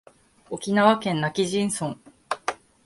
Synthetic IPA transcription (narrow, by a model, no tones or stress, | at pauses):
o̞kʲinaβakẽ̞nːakʲiʑĩɰ̃sõ̞ŋ